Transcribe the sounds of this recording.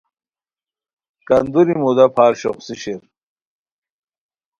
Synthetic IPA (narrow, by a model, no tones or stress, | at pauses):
kɐnd̪uɾimud̪ɐpʰaːɾɕo̰χsiɕeɾ